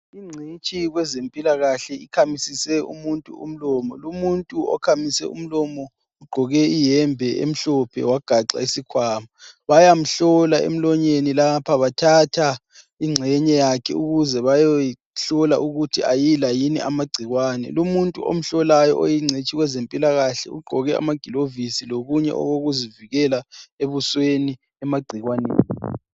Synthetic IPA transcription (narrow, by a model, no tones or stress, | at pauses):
iŋ͡ǀʱit͡ʃʼiɣwɛzempʼilaɣaɬɛikʰamisisɛṵmuntʼuṵm̩lɔːmɔlumuntʼuɔ̰kʰamisɛ̰ṵm̩lɔmɔ | uɡ͡ǃʱɔɣɛijɛmbʱɛʔḛm̩ɬɔpʰɛ̰waɡ̥ʱaǀa̰isikʰwaːmaβajam̩ɬɔlaḛm̩lɔɲenilapʰaβatʰatʰa | iŋ͡ǀʱɛɲɛjakʰɛuɣuzɛβajoji | ɬɔla̰ʔuɣutʰiʔajilajinḭʔamaɡ͡ǀʱiɣwaːnɛ̰lumuntʼuʔo̰m̩ɬɔlajɔ̰ʔojiŋ͡ǀʱet͡ʃʰʼiɣwɛzempʼilaɣaɬɛ̰ṵɡ͡ǃʱɔɣɛa̰maɡ̥ʱilovisiloɣuɲɛ̰ʔɔ̰ɣoɣuziviɣɛlaeβusweni | ɛmaɡ͡ǀʱiɣwanḛːni